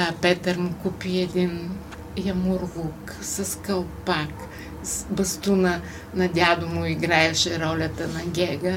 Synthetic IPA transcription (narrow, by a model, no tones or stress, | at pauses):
pɛt̪əɾmʊkupiɛd̪in | jɐmʊɾɣuk | sɐskɐlˠpak | sbɐst̪unə | nɐd̪ʲad̪ʊmʊiɡɾaɛʃɛɾɔlʲɐt̪ɐnɐɡʲɛɡə